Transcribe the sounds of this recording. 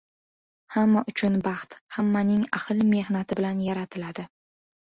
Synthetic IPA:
hamːaʔʊt͡ʃʰʊnbɑχt̪hamːanɪŋa̰hɨlme̞hnat̪ʰɪbɪlanjaɾat̪ʰɪlad̪ɪ

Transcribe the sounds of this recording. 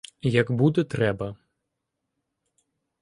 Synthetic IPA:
jɐɡbud̪ɛt̪ɾɛbɐ

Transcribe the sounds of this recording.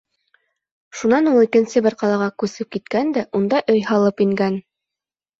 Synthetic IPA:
ʃunɑnulˠikɘ̆nsɘbɘ̆ɾqɑlˠɑʁɑkʉsɘp̚kit̪kænd̪æʔund̪ɑʔɵjhɑlˠɤpiŋɡæn

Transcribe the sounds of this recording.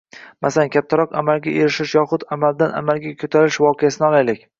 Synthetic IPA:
masalankʲʰap̚t̪ʰaɾɒqamalɡʲaʔeɾɪʃɪʃjɒχʊt̪amald̪anʔa̰malɡʲakʰɵt̪ʰaɾɪʃvɒqʰejasɪnɪɒlˠajlɪkʲ

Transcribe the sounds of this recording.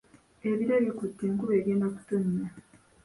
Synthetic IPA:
e̞βiɾeβikutːeːŋkuβeːβeːndaku̥tuɲːa

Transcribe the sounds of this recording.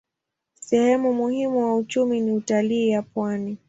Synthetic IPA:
sɛhɛmumuhimuwaut͡ʃuminiutaliːjapwani

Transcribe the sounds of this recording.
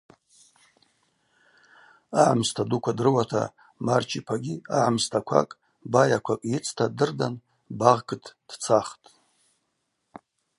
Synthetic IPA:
aʕamstʰadukʷʰadrɨwatʰa̰ | mart͡ʃʰipʰaɡʲiaʕamstʰakʷʰa̰kʼ | bajakʷʰakʼjɪt͡sʰtʰadɨrdan | baʁɡɨtʰʼd̥t͡sʰaχtʼ

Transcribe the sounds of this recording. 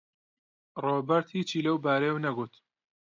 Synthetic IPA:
roːbɐɾt̪hiːt͡ʃiːlɐwbaːɾɐjewnɐɡut̪

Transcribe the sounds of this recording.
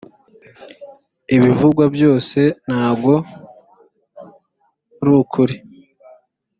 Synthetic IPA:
iβivuɡwabjo̞ːse̞n̥haːbɡo̞ | ɾukʰuɾi

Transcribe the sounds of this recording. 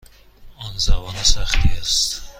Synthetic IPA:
ɔnzavɒnasaχt̪iast̪

